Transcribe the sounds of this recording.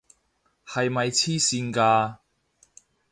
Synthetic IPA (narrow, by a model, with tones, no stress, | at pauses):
hɐ˨jmɐ˨jt͡sʰiː˥siː˧nkaː˧